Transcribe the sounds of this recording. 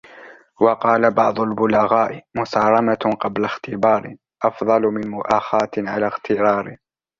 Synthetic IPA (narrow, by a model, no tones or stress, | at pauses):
wɑqɑːlabɑʕd̪ˤʊlbʊlaɣaːʔɪmʊsɑːɾˤɑmaqɑblaxt̪ɪbɑːɾɪ | ʔɑfðˤɑlmɪnmʊʔaːxaːt̪ʕalaːxt̪ɪɾɑːɾɪ